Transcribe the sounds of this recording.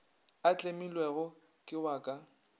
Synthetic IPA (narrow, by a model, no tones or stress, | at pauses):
at͡ɬʼemilweɣʊ | kʼɪwaːkʼa